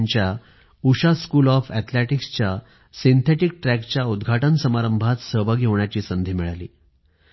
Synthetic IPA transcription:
ɲt͡ɕja | uɕaskuːlɔfɛt̪ʰleʈikst͡ɕja | sint̪ʰeʈikʈɾækt͡ɕjaud̪ɡʱaʈənsəmaɾəmbʱat̪səɦʋaɡʱeʋɳjat͡ɕiːsənd̪ʱeːmiɭalḭː

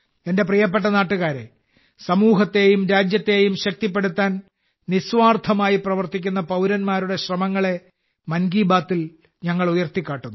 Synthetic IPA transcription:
e̞nde̞prijɐp̬ːe̞ʈ̬ːɐnaːʈːuɣaːɾe̞̰ | sɐmuːɦɐt̪ːe̞jumɾaːd͡ʑjɐt̪ːe̞jumɕɐk̚t̪ip̬ːe̞ɽut̪ːaːn | nisʋaːrt̪ʰɐmaːjiprɐʋɐrt̪ikʲːunːɐpɐwɾɐnmaːɾuɽe̞ɕrɐmɐŋːɐɭe̞ | mɐnɡiːbaːt̪ːil | ɲɐŋːɐɭujɐrt̪ikʲːaːʈːunːu

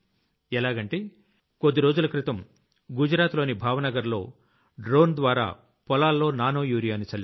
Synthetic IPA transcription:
ɛlaːɡɐɳʈeː | kod̪ːiɾo̞ːd͡ʒulɐkɾit̪ɐm | ɡud͡ʒɾaːt̪lo̞ːnibʱaːʋɐnɐɡɐɾlo̞̰ː | ɖɾo̞ːnd̪ʋaːɾa̰ː | pɔlaːlːo̞ːnaːnoːjuːɾijaːnit͡ʃɐlː

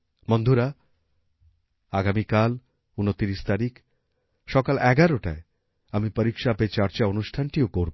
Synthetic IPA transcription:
mond̪ʱuɾa | aɡamikal | unot̪iɾiʃt̪aɾik | ʃɔkalɛɡaɾoʈa̰e | amipəɾikʃapet͡ɕaɾt͡ɕaonuʃʈʰanʈiokoɾb

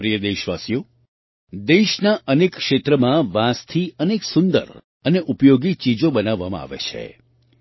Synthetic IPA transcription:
pɾijəd̪eʃʋasjo | d̪eʃnaʔənekkʃet̪ɾəmãʋãst̪ʰiəneksʊnd̪ə̰ɾ | əneʔupjoɡit͡ʃid͡ʒobənaʋːamã̰a̰ʋḛt͡ʃʰḛ

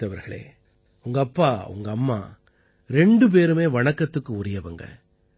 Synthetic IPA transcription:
ɐʋɐɾɣɐɭḛː | ʊŋɡɐːpːaːʊ̰ŋɡɐːmːa̰ː | ɾɛɳɖɯp̬eːɾɯmeːʋɐɳɐkːɐt̪ːɯkːɯʊɾɪjɐʋɐŋɡɐ̰

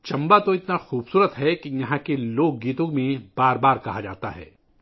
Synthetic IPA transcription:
t͡ʃɐ̃mbat̪oɪt̪naxuːbsuːɾət̪ɦɛkijɐɦãkeloːɡ̚ːiːt̪õɡmẽbaːɾbaːɾkɐɦad͡ʒa̰ːt̪a̰ɦɛ̰ː

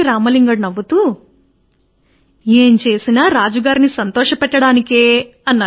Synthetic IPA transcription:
iɾaːmɐliŋɡɐɽnɐʋːut̪u | e̞ːɲt͡ʃe̞ːsinaːɾaːd͡ʒuɡaːɾinisɐnt̪ɔːʂɐpɛʈːɐɽaːnikeː | ɐnːaː

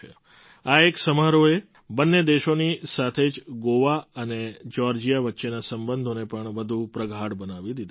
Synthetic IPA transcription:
ḛ | aeksəmaɾoe | bənːed̪eʃonisat̪ʰed͡ʒɡoʋaəned͡ʒɔɾd͡ʒijaʋətːʃenasəmbənd̪ʱonepəɳʋəd̪ʱũpɾəɡʱaɽbənaʋid̪id̪

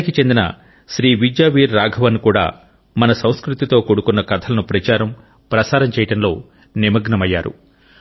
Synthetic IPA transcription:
ikit͡ʃe̞nd̪inɐ̰ | ʃɾiːʋid͡ʒjaːʋiːɾːaːɡʱɐʋɐnkuːɽa̰ː | mɐnɐsɐw̃skɾut̪it̪o̞ːkoɽukunːɐkɐt̪ʰɐlɐnupɾɐt͡ʃaːɾɐm | pɾɐsaːɾɐmt͡ʃɛːjɐʈɐnlo̞ː | nimɐɡnɐmɐjːaːɾṵ

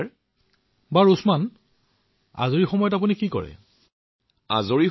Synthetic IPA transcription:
baɹusman | a̰zoɹixɔmɔjɔtap̬unikikɔ̰ɹɛ̰ | a̰zoɹi

